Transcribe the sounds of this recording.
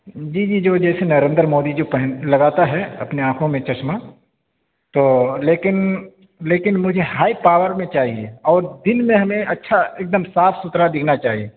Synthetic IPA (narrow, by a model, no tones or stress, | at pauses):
d͡ʒiːd͡ʒiːd͡ʒoːd͡ʒɛːsenɐɾẽːnd̪ɾmoːd̪id͡ʒoːpɛɦnlɐɡaːt̪aɦɛɐ̰pneãːkʰõmẽt͡ʃɐt͡ʃma | t̪oːleːkɪn | leːkɪnmʊd͡ʒʱeɦaːipaːwəɾmẽt͡ʃaːɦieɔːɾd̪ɪnmẽɦɐmẽʔɐtːʃʰaeːk̚d̪əmsaːfʰsʊt̪ɾad̪ɪkʰnat͡ʃaːɦie